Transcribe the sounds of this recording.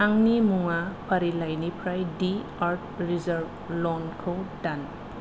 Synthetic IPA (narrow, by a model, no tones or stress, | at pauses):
aŋnimuŋapʰaɾilajnipʰɾajdi | aɾt̚ʰɾizaɾb̚ | lɔnkʰowdan